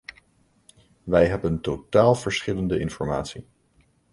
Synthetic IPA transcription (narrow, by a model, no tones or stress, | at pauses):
ʋɛjɦɛbəntowtaːlˠv̥əɹsχɪləndəɪnfɔɹma̰ːtsi